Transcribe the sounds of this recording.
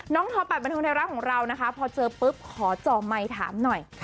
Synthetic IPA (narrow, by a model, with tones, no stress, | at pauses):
nɔː˦˥ŋt̪ʰɔː˧pa˨˩ba˧nt̪ʰːnʰɛː˧wɾa˦˥kʰɔː˩˦ŋɾa˧wna˦˥kʰa˦˥pʰɔː˧t͡ɕɤː˧pɯ˦˥p̚kʰɔː˩˦t͡ɕɔː˨˩ma˧jt̪ʰa̰ː˩˦mnɔ˨˩j